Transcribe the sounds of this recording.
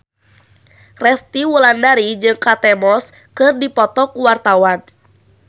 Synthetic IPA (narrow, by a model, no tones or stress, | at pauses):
rɛst̪iwulandaɾid͡ʒɨŋkat̪ɛmɔs | kɨrdipɔt̪ɔkuwart̪awan